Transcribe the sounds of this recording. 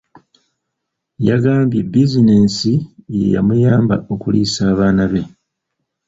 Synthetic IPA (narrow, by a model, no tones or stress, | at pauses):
jaɡaːmbjibizine̞ːnsijḛja̰mujaːmba̰ʔo̞kuliːsaːβaːnaβe̞